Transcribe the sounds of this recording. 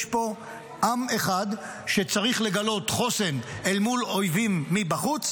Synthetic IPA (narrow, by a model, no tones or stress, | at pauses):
po̞ | ʔame̞χad̪ | ʃe̞t͡saʁiχle̞ɡalo̞tχo̞se̞nelmulo̞jvimːibaχut͡s